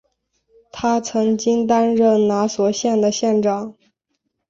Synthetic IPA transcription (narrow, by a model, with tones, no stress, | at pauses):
t̪ʰa˥t͡sʰɤ˧˥ŋt͡ɕi˥ŋt̪a˥nɻə˥˩nna˧˥swɔ˨˩ɕjɛ˥˩nd̪ə˩ɕjɛ˥˧nʈ͡ʂɑ˥˩ŋ